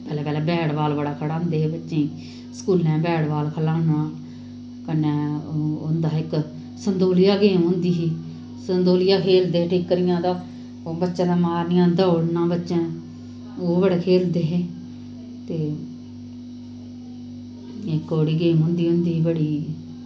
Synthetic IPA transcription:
pɛːlɛːpɛːlɛːbɛːɽʋaːlbəɽaːkʰəɽãːnd̪eːɦeːbətːʃẽːiː | sə̥kuːlɛ̃ːbɛːɽʋaːlkʰəlãːnɳãː | kənːɛ̃ːʊnd̪aːɪk | sənd̪oːlɪjaːɡeːɦʊ̃nd̪iːɦiː | sənd̪oːlɪjaːkʰeːld̪eːeʈʰiːkːəɾɪjãːd̪aː | oːbətːʃãːd̪aːmaːɾnɪjãːd̪əːɽnãːbətːʃẽː | oːʋəɽeːkʰeːld̪eːɦeː | t̪eː | ɪkoːɽiːɡeːɦʊ̃nd̪iːʊnd̪iːɦiːbəɽiː

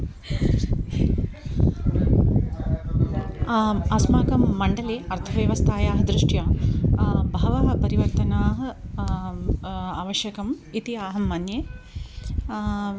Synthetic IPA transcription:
ɐsmaːkɐmːɐɳɖɐliɐɾt̪ʰɐʋjɐʋɐst̪ʰaːjaːɦɐd̪ɾuʂʈjaː | bʱɐʋɐɦɐpɐɾiʋɐɾt̪ɐnaːɦɐ̆ | aːʋɐʃjɐkɐm | it̪iaːɦɐmːɐnjeː

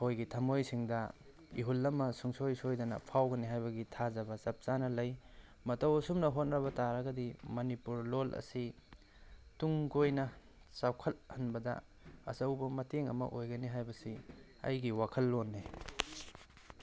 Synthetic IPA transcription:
hojɡitʰɐmojsiŋdɐ | ḭɦulːɐmːɐsuŋsojsojdɐnɐ̰pʰawɡɐniɦajbɐɡitʰazɐbɐsɐp̚t͡ʃanɐlɐj | mɐtɐwɐsumnɐɦotn̚ɾɐβɐtaɾɐɡɐdimɐnipuɾlolʔɐ̰si | tuŋɡojnɐ | sawkʰɐt̚hɐnbɐdɐ̰ | ɐ̰sɐwbɐmɐteŋɐ̰mɐ̰ʔojɡɐniɦajbɐsi | ɐ̰jɡiwakʰɐlːonːe

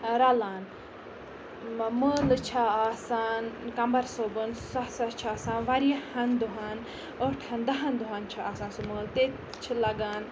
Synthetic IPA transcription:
ɾɐlaːn | məlɨt͡ʃʰaaːsaːnkɐmbɐɾsobɨnsɐsɐt͡ʃʰaːsãːnʋɐɾijɐhɐnd̪uɦaːn | oʈʰɐnd̪ɐɦɐnd̪uɦaːnt͡ʃʰaaːsaːnsuməːlt̪e | t͡ʃʰilɐɡaːn

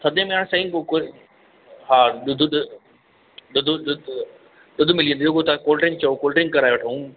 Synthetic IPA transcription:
sʰɐd̪ʱẽmẽaːɽ̃sɐĩkok | ɦaːɗʊd̪ʱɗ | ɗʊd̪ʱɗ | ɗʊd̪ʱʊmɪliə̃nd̪ioɡot̪ʰakoːlʈɾɪ̃ŋɡ̚t͡ɕɐokoːlʈɾɪ̃ŋɡkɐɾaːeʋɐʈʰõ

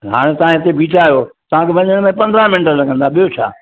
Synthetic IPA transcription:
ɦa̰ːɽ̃et̪ɐ̤ãɦɪt̪ebʱiːʈaːijot̪ɐʋ̤ãkʰebɐ̃ɲəɽ̃mẽpɐ̃nd̪ɾãmɪnʈəlɐɡʱə̃nd̪aɓijot͡ɕʰa̰ː

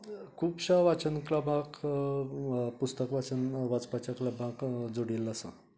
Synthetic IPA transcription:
kʰuːbɕaʋat͡ɕənklabʱãk | pust̪əkʋat͡sənʋat͡spat͡ɕakləbʱãkd͡zoɽilasə̰

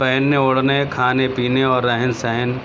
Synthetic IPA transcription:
pɛɦnːeʊɽnekʰaːnepiːneɔːɾːɛɦənsɛɦɛn

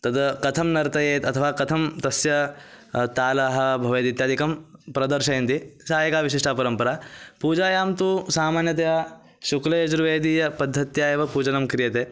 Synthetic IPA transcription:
t̪ɐd̪kɐt̪ʰɐmnɐɾt̪ɐjeːt̪ɐt̪ʰɐʋaːkɐt̪ʰɐmt̪ɐsjɐ | t̪aːlaːɦɐ̆bʱɐʋeːd̪it̪jaːd̪ʱikɐmpɾɐd̪ɐɾʃɐjɐnt̪isaːjɐkaːʋiʃ̬iʂʈʰaːpɐɾɐmpɐɾaːpuːd͡ʒaːjaːmt̪usaːmaːnjɐt̪eaː | ʃuklɐjɐd͡ʒɾuʋeːd̪iːjɐpɐd̪ʱːɐt̪jaːjeːʋɐpuːd͡ʒɐnɐmkɾijɐt̪eː

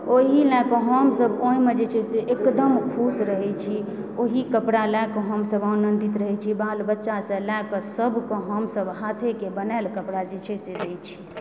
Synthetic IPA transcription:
oɦilɛkə̃ɦəmsəboĩmed͡ʒet͡ʃʰeseʔekd̪əmkʰusɾəɦɛt͡ʃʰioɦikəpɽalɛkə̃ɦəmsəbaunənd̪it̪ɾəɦɛt͡ʃʰibalbətːʃasə̃lakəsəbʱkə̃ɦəmsəbɦat̪ʰekebənɛlkəpɽad͡ʒet͡ʃʰesed̪et͡ʃʰi̥

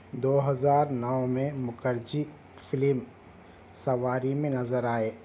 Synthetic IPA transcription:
d̪oːɦɐzaːɾnɐʋmẽmʊkəɾd͡ʒi | fʰɪlɪm | sɐʋaːɾimẽnɐzəɾaːeː

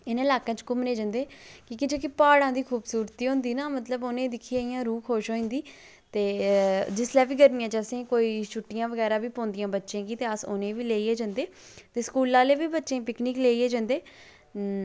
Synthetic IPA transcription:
ɪnɪlaːkãːt͡ʃkʊmneːd͡ʒãːnd̪eːkiːkɪd͡ʒeːkipaːɽãːd̪iːkʰuːbsuːɾt̪iːɦʊ̃nd̪iːnaːmət̪ləboːnẽːd̪ɪkʰːiaːijãːɾuːkʰoːʃɦoːĩːnd̪iː | t̪eːd͡ʒɪslɛːʋiːɡəɾnɪjãːt͡ʃəsẽːkoːiːʃʰʊʈːɪjãːʋəɡɛːɾaːbiːpõːnd̪ɪjãːbətːʃẽːɡiːt̪eːəso̰ːnẽːʋiːleːiɛːd͡ʒãːnd̪eː | t̪eːskuːlãːleːʋiːbətːʃẽːpɪknɪːkleːiɛːd͡ʒãːnd̪eː

